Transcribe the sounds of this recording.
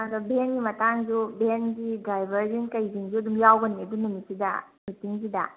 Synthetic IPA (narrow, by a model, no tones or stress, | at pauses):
ɐdubʱenɡimɐtaŋd͡ʒubʱenɡidajbʱɐɾzinkɐjziŋzuɐdumjawɡɐniɐdumunisidɐ̰ | mitiŋzidɐ̰